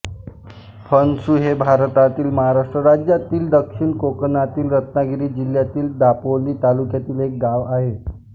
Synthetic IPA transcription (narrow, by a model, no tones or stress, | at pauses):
pʰənsuɦebʱaɾt̪at̪iːlməɦaɾaʂʈɾəɾad͡ʑjat̪iːld̪əkʂinkoknat̪iːlɾət̪naɡiɾiːd͡ʑiljat̪iːld̪apoliːt̪alukjat̪iːlek̚ɡaʋaɦe